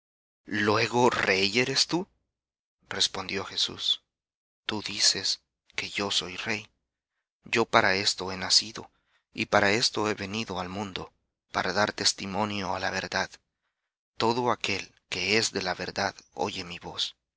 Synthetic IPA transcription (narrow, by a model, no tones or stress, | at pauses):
lwe̞ɣo̞re̞je̞ɾe̞st̪u | re̞spond̪jo̞xe̞sṵs | t̪uðise̞s | ke̞ʝo̞so̞jre̞j | ɟ͡ʝo̞paɾae̞st̪o̞e̞nasiðo̞̰ | ḭpaɾae̞st̪o̞e̞βe̞niðo̞almũnd̪o̞ | paɾaðaɾt̪e̞st̪imo̞njo̞ala̰βe̞̰ɾðað | t̪ːo̞ðo̞ake̞l | ke̞ezðe̞laβe̞ɾðaðo̞̰ʝe̞miβo̞s